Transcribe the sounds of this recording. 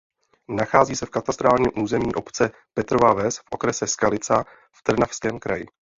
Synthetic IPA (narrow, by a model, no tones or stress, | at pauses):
naxaːziːsɛfkat̪ast̪ɾaːlɲɛmʔuːzɛmɲiːʔo̞pt͡sɛ | pɛt̪ɾovavɛsfʔo̞kɾɛsɛskalɪt͡sa | ft̪r̩nafskɛːmkɾa̰jɪ̰